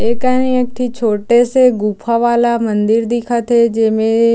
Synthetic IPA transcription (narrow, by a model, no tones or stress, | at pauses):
eːkanĩek̚ʈʰit͡ʃʰoːʈeseɡuːpʰaʋaːlamɐ̃nd̪ɪɾd̪ɪkʰat̪ʰed͡ʒeːmẽ